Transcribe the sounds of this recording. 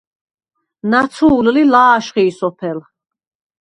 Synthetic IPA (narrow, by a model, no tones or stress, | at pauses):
nat̪sʰuːllilaːʃχiːsɔpʰɛl